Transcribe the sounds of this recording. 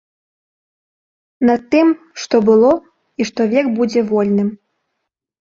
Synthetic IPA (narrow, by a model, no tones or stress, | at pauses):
nɐt̪ːɨm | ʂt̪ɔbɨlˠo | iʂt̪ɔvʲekbud͡zʲeʋolʲnɨm